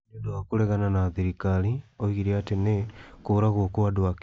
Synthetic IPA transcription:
edoakuɾɛɣananaðiɾikalioiɣiɾiatenekoːɾaɣokoadoak

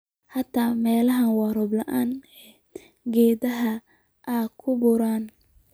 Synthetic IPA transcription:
hɐt̪ʰamɛːlɐɦɐnwɑɾɔblɐʔaːnɛ | ɡɛːdɐɦɐ | ʔaːkʰʊbʊɾaːn

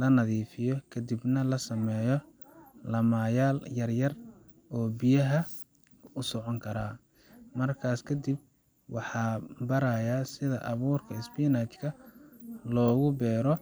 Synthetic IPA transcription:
lɐnɐðiːfɪjɔkʰɐd̪ibnɐlɐsɐmɛːjɔ | lɐmaːjaːljɐrjɐr | ɔːbɪjɐɦɐ | ʊsɔʕɔŋkʰɐɾaː | mɐrkʰaːskʰɐd̪ib̚ | wɑħɑːbɐɾɐjaːsɪðɐʔɐβuːrkʰɐɪsbinat͡ʃkʰɐ | lɔːɣʊbɛːɾɔ

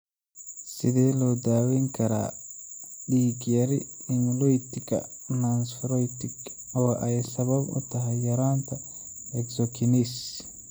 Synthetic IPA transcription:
sɪðɛːlɔːd̪aːwɛŋkʰɐɾa̰ː | ɖiːɡjɐɾɪɪnlɔjt̪ʰɪɡɐ̰nansfɾɔjt̪ʰɪɡ | ɔːʔɛjsɐβɐbʊ̰t̪ʰɐɦɛjːɐɾaːnt̪ʰɐ | ɛɡsɔkʰɪnis

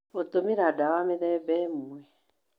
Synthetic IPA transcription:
otomiɾadawameɾɛbɛmuɛ

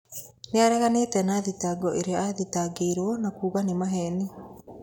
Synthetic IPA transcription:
neaɾɛɣaneːtɛnaðitaːɡɔʔeɾeaðitaɡeːɾwɔnakuːɣanimaɦɛni

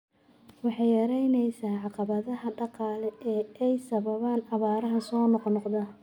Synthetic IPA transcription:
wɑħɑjɐɾɛjnɛjsaːʕɑqɑβɐðɐɦɐɖɑqɑːlɛɛːɛjsɐβɐβaːnɐβaːɾɐɦɐsɔːnɔqnɔqd̪aː

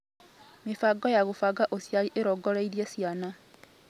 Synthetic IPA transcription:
mifaɡojaɣufaɡaʔosjaliʔeɾoɡolaiɾjesjana

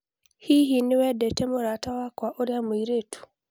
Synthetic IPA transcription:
hiɦinɪwɛdɛtemoɾatawakwaʔoɾjamoiɾetʰu̥

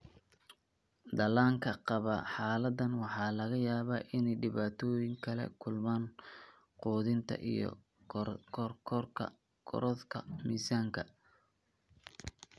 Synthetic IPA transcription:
d̪ɐlaːŋkʰɐqɑβɐħɑːlɐd̪ɐnwɑħɑːlɐɣɐjaːβaːʔɪnɛjɖɪβaːt̪ʰɔːjɪŋkʰɐlɛ̰kʰʊlmaːn | quːðɪnt̪ʰɐ̰ʔḭjɞ̰ | rkʰrʰɐ | kʰɔ̰ɾɔðkʰɐ̰miːsaːŋkʰɐ

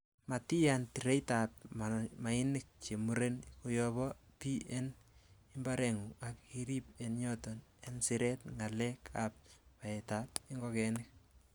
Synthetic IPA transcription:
matijantiɾejtap̚amaɪnɪk̚t͡ʃemuɾenkojɔβɔpiʔɛnɪmbaɾɛŋuakiɾip̚enɲɔtɔnensɪɾɛtŋalɛkʰap̚paɛtatɪŋɡɔkɛnɪk̚

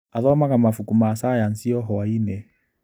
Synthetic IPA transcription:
aðɔmakamafukumasajan̩siɔɦɔaine

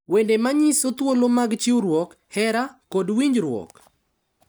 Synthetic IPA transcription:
wendemaɲisot̪wolomaɡt͡ʃɪwɾwɔk | hɛɾakodwiɲd͡ʒɾwɔ̰k

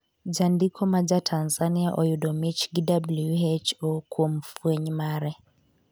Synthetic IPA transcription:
d͡ʒandikʰɔmad͡ʒatʰanzaniaʔɔjudɔmit͡ʃɡidablujuɛt͡ʃɔkuɔm̩fuɛɲimaɾɛ

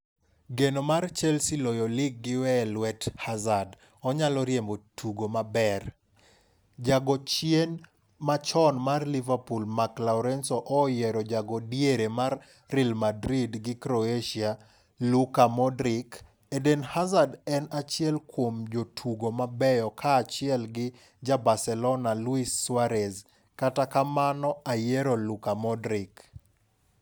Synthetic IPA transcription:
ɡenomart͡ʃɛlsɪlojɔlɪɡːɪwɛlwɛthazad | ɔɲalɔɾjembotʰuɡomabɛr | d͡ʒaɡɔt͡ʃjen | mat͡ʃɔnmarlivapulmaklaɔɾɛnsɔʔɔjɛɾɔd͡ʒaɡɔdjeɾemarː | ilmadɾidɡɪkɾoeʃia | lukamɔdɾik | edenhazadɛnat͡ʃɪɛlkwomd͡ʒotʰuɡomabɛjɔkʰaːt͡ʃɪɛlɡɪ | d͡ʒabasɛlɔnaluisːwaɾɛz | katakamanɔajeɾolukamɔdɾik

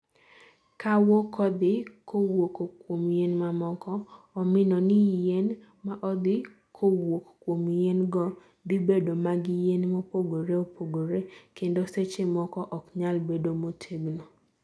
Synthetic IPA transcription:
kawɔkʰɔd̪ɪkowokokwomjenmamɔkɔ | ɔmɪnɔnɪjen | maʔɔd̪ɪ | kʰowokkwomjenɡɔ | d̪ɪbedomaɡɪjenmopoɡoɾeopʰoɡoɾekendoset͡ʃemɔkɔʔɔkɲalbedomotʰeɡno

